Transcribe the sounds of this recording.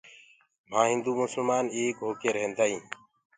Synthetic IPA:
m̤ãːɦɪ̃nd̪uːmʊsəlmaːneːkɦoːkeːɾəɦẽnd̪aːɦĩː

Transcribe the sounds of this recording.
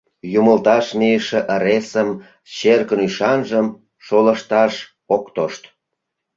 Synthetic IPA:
juməlt̪ɑʃmijəʃĕʔəɾesəm | t͡ɕerkənyʃɑnʒəm | ʃoləʃt̪ɑʃ | okt̪oʃt̪

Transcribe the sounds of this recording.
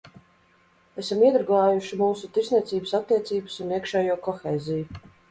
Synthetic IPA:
esamiɛd̪ɾɡˠaːjuʃimuːsut̪iɾznʲiɛt̪siːbɨsat̪ːiɛt̪siːbɨ̥suniɛkʃɛːjuɔkɔxeːziju

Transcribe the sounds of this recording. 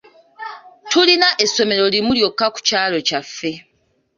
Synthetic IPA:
tulinaʔe̞sːo̞me̞ɾo̞limuljo̞kːaku̥caːlo̞cafːe̞

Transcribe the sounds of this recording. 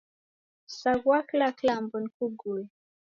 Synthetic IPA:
saɡwaklaklambunkuɡul

